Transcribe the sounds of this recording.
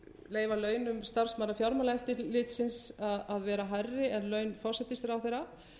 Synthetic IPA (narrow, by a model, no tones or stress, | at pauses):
leːjvalœːɥnʏmst̪ar̥smaːɾafjawɾmalaɛft̪ɪlɪːt̪sɪnsaðaðvɛːɾaɦajrːɪɛnlœːɥnfɔr̥sɛt̪ːɪsɾawθejɾa